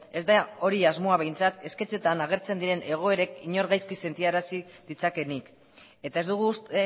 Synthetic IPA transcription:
e̞zd̪ao̞ɾiazmo̞aβejnt͡sat̪e̞ske̞t͡se̞t̪anaɣ̞e̞ɾt͡se̞nd̪iɾe̞ne̞ɣ̞o̞e̞ɾe̞kiɲo̞ɾɣajskise̞nt̪iaɾasið̥it͡sake̞nik | e̞t̪aezd̪uɣ̞us

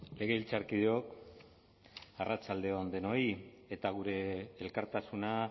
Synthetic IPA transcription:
le̞ɣ̞e̞ilt͡saɾkiðeo̞k | arʔat͡ʃald̪e̞ond̪e̞no̞j | e̞t̪aɣ̞uɾe̞ːlkaɾt̪asuna

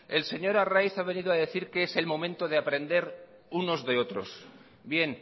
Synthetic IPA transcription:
e̞lse̞ɲo̞ɾarajθaβ̞e̞niðoaðe̞θiɾkeese̞lmõ̞mẽnt̪o̞ð̞eapɾẽ̞nd̪e̞ɾ | uno̞zðe̞o̞t̪ɾo̞̰s | bje̞n

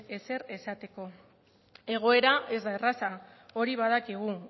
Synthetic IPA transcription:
e̞se̞re̞sat̪e̞ko̞ | e̞ɣ̞o̞e̞ɾae̞zd̪ae̞rasa | o̞ɾiβ̞að̞akiɣ̞u

